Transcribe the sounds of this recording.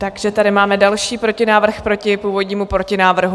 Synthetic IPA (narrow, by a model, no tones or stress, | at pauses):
t̪aɡʒ̥ɛt̪adɪmaːmɛdalʃiːpɾo̞cɪnaːvr̩xpɾo̞cɪpuːvo̞dɲiːmupɾo̞cɪnaːvr̩ɦu